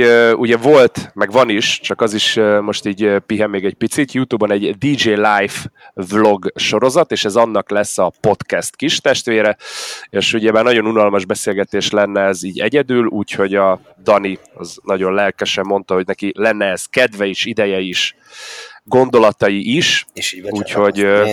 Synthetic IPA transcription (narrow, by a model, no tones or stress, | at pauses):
uɟɛvo̞lt̪mɛɡʋɒniʃt͡ʃɒkɒziʃmo̞ʃt̪iːɟpiɦɛmːeːɡɛc̚pit̪sit̪juːt̪uːbɒnɛɟd̪id͡ʒeːlajfvlo̞ɡʃo̞ɾo̞zɒt̪eːʃɛzɒnːɒklɛsːɒpo̞t̪kɛst̪kiʃt̪ɛʃt̪ʋeːɾɛeːʃuɟɛbaːrnɒɟo̞nunɒlmɒʒbɛseːlɡɛt̪eːʃlɛnːɛɛziːɟɛ̰ɟɛd̪yːluːcho̞ɟɒ | d̪ɒni | ɒ̰znɒɟo̞nlɛlkɛʃɛmːo̞n̪t̪ɒɦo̞ɟnɛkilɛnːɛːz̥kɛd̪vɛiʃid̪ɛjɛiʃ | ɡo̞nd̪o̞lɒt̪ɒjiʔiʃuːcho̞ɟ